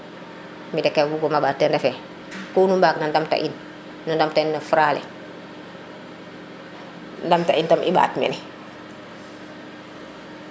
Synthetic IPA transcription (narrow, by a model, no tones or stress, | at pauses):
midɛkːɛɡuɡɔmabaːtːɛndɛfɛ | kunumbaknandamta̰ʔin | nundamtainːafuɾalɛ̰ | ndamtaʔintamʔiba̰ːtmɛ̰ni